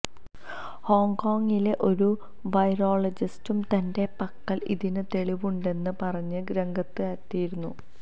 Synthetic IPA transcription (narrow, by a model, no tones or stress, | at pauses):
hoːŋko̞ːŋɡile̞ʔo̞ɾu | ʋɐjɾoːɭɐd͡ʑistumt̪ɐnde̞pɐkːɐlḭðinɨt̪e̞ɭiʋuɳɖe̞nːɨpɐrɐɲːɨɡɾɐŋɡɐt̪ːɨɐt̪ːijiɾunːu